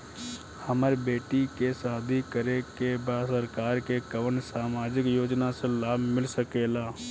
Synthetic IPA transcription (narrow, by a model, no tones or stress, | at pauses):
həmaɾbeːʈikesaːd̪ʱikəɾekebaːsəɾkaːɾkekəʋənsaːmaːd͡ʒɪkjoːd͡ʒnaselaːbʱmɪlsəkeːlaː